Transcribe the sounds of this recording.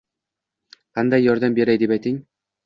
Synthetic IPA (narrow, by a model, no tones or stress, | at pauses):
qʰɑnd̪ɑjːɒɾd̪æmbeɾæjd̪epæjt̪iŋ